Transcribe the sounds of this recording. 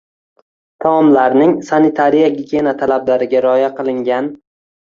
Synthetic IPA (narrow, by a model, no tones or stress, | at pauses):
t̪ʰamɒmlaɾnɪŋsanɪt̪ʰaɾijaɡʲiɡʲenat̪ʰalablaɾɪɡʲaɾɒjaqʰɨlˠɪŋɡʲan